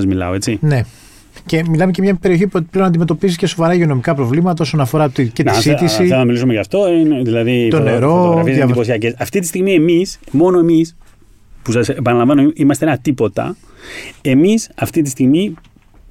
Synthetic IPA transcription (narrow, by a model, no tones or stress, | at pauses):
ɐzmilɐ̰o̞e̞t͡sine̞ | ce̞milɐme̞ce̞mɲɐpe̞ɾio̞çipleonɐnd̪imet̪opizice̞so̞vɐɾɐʝio̞no̞mikɐpɾo̞vlimɐt̪ɐo̞so̞nɐfo̞ɾɐt̪ice̞t̪isit̪isiɐɐmilisumeʝɐft̪o̞ineðilɐðit̪oneɾo̞ɣɾfiezðɐiposiɐcesɐft̪it̪ist̪iɣmie̞mismo̞noe̞mis | pusɐsepɐnɐlɐ̃mvɐnoiʔimɐst̪enɐt̪ipo̞t̪ɐ̰ | e̞misɐft̪it̪̬ist̪iɣmi